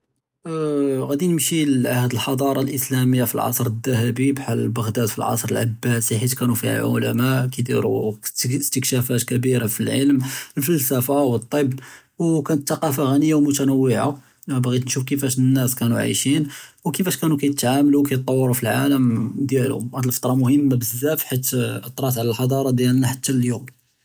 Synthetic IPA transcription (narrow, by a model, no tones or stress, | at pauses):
ɣæd̪inəmʃilʕahd̪əlħɑd̪ˤɑɾˤɑlʔəslæməjːafḭlʕɑ̰sˤɾˤəd̪ːæhæbibħallbəɣd̪æd̪fḭlʕɑ̰sˤɾəlʕa̰bːæsiħit̪kænufiha̰ʕʊ̰læmaʔkid̪iɾṵ | st̪əkʃæfæt̪kæbiɾafilʕəlməlfəlsæfawət̪ˤːəb | wkænət̪θɑqɑfaɣænəjːawmʊt̪ænəwːɪʕa̰ | bɣit̪nʃufkəfæʃnːæskænuʕa̰ʃinwkəfæʃkænukæj̪ət̪ʕamlukæjt̪ˤːɑwːəɾufilʕaləmd̪jælmhæd̪əlfə̥t̪ˤɾˤɑmʊhəmːabəzːæfħat̪ːʔət̪ˤɾˤɑt̪ʕlælħɑd̪ˤɑɾˤɑd̪jælnaħat̪ːæljum